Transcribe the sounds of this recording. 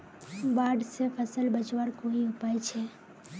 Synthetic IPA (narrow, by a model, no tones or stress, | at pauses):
baːɖsepʰəsəlbət͡ʃʋaɽkoɦiʊpajt͡ʃʰe